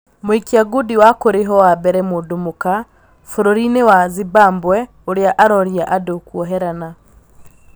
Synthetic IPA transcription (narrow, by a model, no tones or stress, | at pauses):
moikiaɡudiwakoɾeɦɔwabɛɾɛmudumuka | foɾoɾinewazibaːmbwɛ | oɾjaʔaɾoɾjaʔadokwoɦeɾana